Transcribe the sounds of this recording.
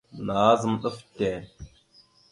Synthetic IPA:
na˨˦zə˨˦mɗə˦fte˨

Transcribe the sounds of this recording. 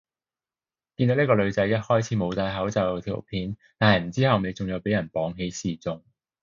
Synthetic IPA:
kiː˧nd̪o˨˥n˥kɔː˧lɵ˨˧ɥt͡sɐ˨˥jːɐ˥t̚hɔː˥jt͡sʰiː˨˥mo˨˧wt̪aː˧jɦɐ˨˥wt͡sɐ˨˧wt̪ʰḭ˨˩˨pʰiː˨˥nt̪aː˨nhɐ˨jm̩˨˩t͡siː˥hɐ˨wne˨˧jt͡sʊ˨ŋjɐ˨˧wpe˨˥jɐ˨˩npɔː˨˥ŋɦe˨˥jsiː˨t͡sʊ˨ŋ

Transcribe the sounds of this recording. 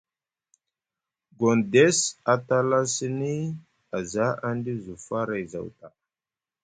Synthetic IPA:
ɡo˨nde˦sa˨ta˦la˦si˦ni˦ | a˨za˦a˦ndi˦zu˨fa˦ɾa˨jza̰˨wta˨

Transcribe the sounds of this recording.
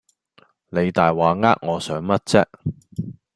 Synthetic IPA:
ne˨˧jt̪aː˨jwaː˨ŋa̰ː˥k̚ŋɔː˨˧sœː˨˥ŋmɐ˥t̚t͡sɛː˥k̚

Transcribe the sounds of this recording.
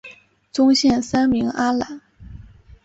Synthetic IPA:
t͡sʊ˥ŋɕjɛ˥˩nsa˥nmi˧˥ŋa˥la˨˩˦n

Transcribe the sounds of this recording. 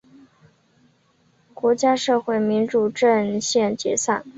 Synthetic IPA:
kwɔ˧˥t͡ɕja˥ʂɤ˥˧xwe˥˩ɪmi˧˥nʈ͡ʂu˨˩ʈ͡ʂə˥˧nɕjɛ˥˩nt͡ɕjɛ̰˧˥sa˥˩n

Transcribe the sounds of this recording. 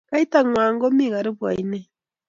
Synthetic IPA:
ka˦i˦ta˨ŋwaː˨ŋɡo˦mi˦˨ɣa˨ɾe˦βwa̰˨i˨ne˦

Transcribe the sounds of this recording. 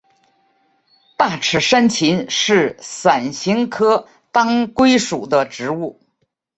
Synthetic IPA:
t̪a˥˩ʈ͡ʂʰɻ̩˧˥ʂa˥nt͡ɕʰi˧˥nʂɻ̩˥˩sa˨˩nɕi˧˥ŋkʰɤ˥ | t̪ɑ˥ŋkwe˥ɪʂu˨˩d̪ə˦ʈ͡ʂɻ̩˧˥u˥˩

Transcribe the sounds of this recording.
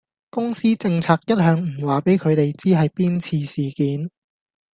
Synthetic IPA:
kʊ˥ŋsiː˥t͡sɪ˧ŋt͡sʰaː˧k̚jɐ˥t̚hœː˨˧ŋm̩˨˩waː˨˩pe˨˥jkʰɵ˨˧ɥt̪e˨jt͡siː˥ɦɐ˨jpiː˥nt͡sʰiː˧siː˨˩kiː˨˥n

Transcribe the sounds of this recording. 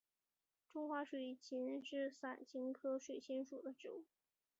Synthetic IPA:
ʈ͡ʂʊ˥ŋxwa˧˥ʂwe˨˩ɪt͡ɕʰi˧˥nʂɻ̩˥˩sa˨˩nt͡ɕʰi˧˥ŋkʰɤ˥ʂwe˨˩ɪɕʰɛ˥nʂu˨˩d̪ə˦ʈ͡ʂɻ̩˧˥u˥˩

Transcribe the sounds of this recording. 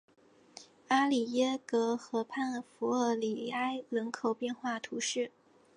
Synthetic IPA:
a˥li˨˩jɛ˥kɤ˧˥xɤ˧˥pʰa˥˩nfu˧˥ə˧˩li˨˩a˥ɪlə˧˥nkʰo˨˩ʊpjɛ˥˧nxwa˥˩t̪ʰu˧˥ʂɻ̩˥˩

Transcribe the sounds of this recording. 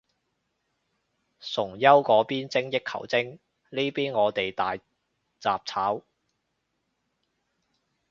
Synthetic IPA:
sʊ˨˩ŋjɐ˥wkɔː˨˥piː˥nt͡sɪ˥ŋjɪ˥kʰɐ̰˨˩wt͡sɪ˥ŋ | liː˥piː˥nŋɔː˨˧t̪e˨jt̪aː˨j | t͡sa̰ː˨p̚t͡sʰaː˨˥w

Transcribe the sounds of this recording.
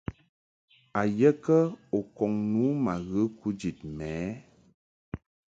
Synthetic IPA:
a˨jɛ˦kə˦o˨kɔ˨ŋnuː˨˦ma˨ɣɨ˦ku˦d͡ʒi˨t̚mɛː˨˦

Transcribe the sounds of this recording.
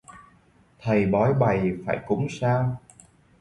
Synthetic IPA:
t̪ʰə˨˩jɓɔ˨˦jɓa˨˩jfaː˧˩jkʊ˧˨˥ŋ͡msaː˧w

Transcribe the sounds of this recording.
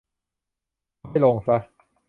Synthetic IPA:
a˥˩jlo˧ŋsa˦˥

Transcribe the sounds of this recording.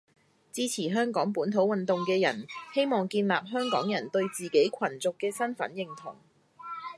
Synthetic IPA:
t͡siː˥t͡sʰiː˨˩ɦœː˥ŋkɔː˨˥ŋpuː˨˥nt̪ʰo˨˥wɐ˨nt̪ʊ˨ŋkɛː˧jɐ̰˨˩nhe˥jmɔː˨ŋkiː˧nlaː˨p̚ɦœː˥ŋkɔː˨˥ŋjɐ˨˩nt̪ɵ˧ɥt͡siː˨˩ke˨˥jkʷʰɐ˨˩nt͡sʊ˨kːɛː˧sɐ˥nfɐ̰˨˥njɪ˨ŋt̪ʰʊ̰˨˩ŋ

